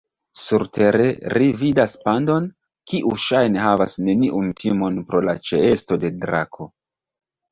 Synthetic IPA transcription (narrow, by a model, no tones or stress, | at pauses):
suɾteɾe̞ɾividaspando̞n | kiʔuʃajne̞ɦavasne̞niʔuntʰimo̞npɾo̞la̰t͡ʃe̞esto̞de̞dɾa̰kʰo̞